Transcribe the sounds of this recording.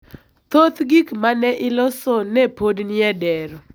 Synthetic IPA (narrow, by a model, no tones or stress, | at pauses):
t̪ot̪ɡikmanɛʔɪlɔsɔnɛpodnɪɛdɛɾɔ